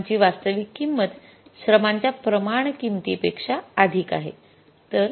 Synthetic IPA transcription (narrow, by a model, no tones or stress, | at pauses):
t͡ɕiːʋast̪əʋikːimːəd̪ʱ | ɕɾəmaɲt͡ɕjapɾəmaɳ̃kimt̪ipekʂaad̪ʱiːka̰ɦe | t̪əɾ